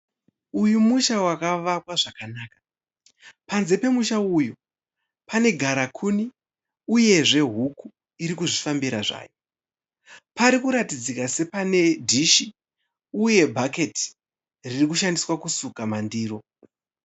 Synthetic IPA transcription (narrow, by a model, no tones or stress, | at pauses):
ujumuʃawakaʋapwaʐakanaːkḁ | panze̞pe̞muʃaujo | pane̞ɡʱaɾakʰuni | uje̞ʐe̞ɦuku | iɾikuʐifambiɾaʐa̰ːjo | paɾikuɾatid͡zikase̞pane̞dʱiʃi | uje̞bʱake̞ti̥ | ririkuʃandiswakusukamandiːɾo̞